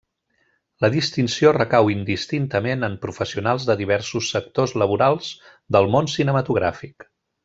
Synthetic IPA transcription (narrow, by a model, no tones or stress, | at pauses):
ləðist̪insiorəkawind̪ist̪int̪əmenəmpɾufəsiunalˠzðəðiβ̞ɛɾsusːək̚t̪ozləβ̞uɾalˠz | d̪əlˠmonsinəmət̪uɣ̞ɾa̰fik